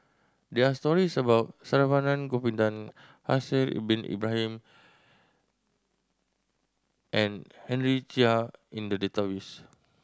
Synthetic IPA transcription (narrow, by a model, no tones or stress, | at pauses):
dɛast̪ɔɾisabawt̪̚saɾavanãnkopind̪an | ha̰silḭbinḭbɾaɦim | ʔɛ̃nhɛ̃nɾit͡ʃiaĩndədɛt̪awis